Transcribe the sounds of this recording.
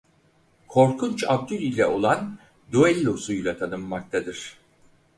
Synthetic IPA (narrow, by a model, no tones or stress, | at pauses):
kʰo̞ɾkʰunt͡ʃabd̪ylʲijlʲɛʔo̞lˠan | d̪uɛlʲːosujlˠat̪ʰanɯmːak̚t̪ʰad̪ɯɾ̥